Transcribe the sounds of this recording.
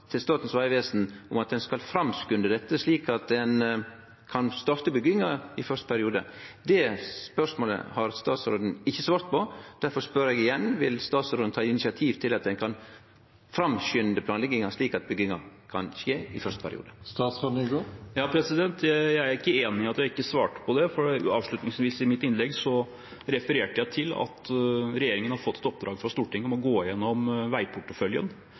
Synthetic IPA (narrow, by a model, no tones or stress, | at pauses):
t̪ʰɪlst̪ɑːt̪n̩sʋɑɪʋeːsn̩ʊmɑt̪̚d̪ɛnskɑlfɾɑmskʉnd̪əd̪ɛt̪ːəsliːkɑt̪̚d̪ɛn | kʰɑnst̪ɔɾt̪əbʏɡɪŋɑɪfœɾʂst̪ə̥pʰæɾɪuːd̪ə̰d̪ɛspœʂmoːlə̰hɑɾst̪ɑːt̪sɾoːd̪n̩ɪçːəsʋɑːɾt̪pɔd̪æɾfɔɾspøɾeːɡɪjɛnʋɪlst̪ɑːt̪sɾoːd̪n̩t̪ʰɑːɪnɪsɪɑt̪ʰiːʋt̪ʰɪlɑt̪̚d̪ɛnkʰɑn | fɾɑmɕʏnd̪əpʰlɑːnlɛɡɪŋɑʂɭiːkɑt̪̚bʏɡɪŋɑkʰɑnɕeːɪfœɾʂt̪ə̥pʰæɾɪ̰ṵːd̪əst̪ɑːt̪sɑd̪ʉɡojɑːpʰɾɛsɪd̪ɛnt̪ʰjæææɾɪkːəeːnɪɑt̪jæɪkːəsʋɑːʈə̥pʰɔd̪ɛfɔɑːʋʂɭʉt̪nɪŋsʋiːsɪmɪt̪ːɪnlɛɡsɔ | ɾɛfəɾeːʈəjæɪt̪ʰɪlɑ̰t̪ɾɛjeːɾɪŋənhɑɾfɔt̪ːɛ̥t̪ɔp̚d̪ɾɑːɡfɾɑst̪uːʈɪŋːəɔmɔɡoːjɛnːɔmʋæɪpʰʊʈːəfœljə̰n